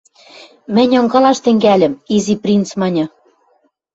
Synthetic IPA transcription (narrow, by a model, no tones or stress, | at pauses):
mɘ̆nʲŏŋɡɑlɑʃt̪ɘ̆ŋɡælʲɘ̆miziprʲint͡smɑnʲɤ̆